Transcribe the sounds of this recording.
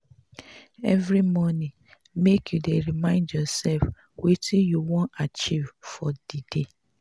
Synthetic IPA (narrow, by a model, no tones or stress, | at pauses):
ɛ̰vɾimɔnĩ | mekjudeɾimãɪ̃ndjɔsɛlf | witijuwɔ̃nat͡ʃivfɔdide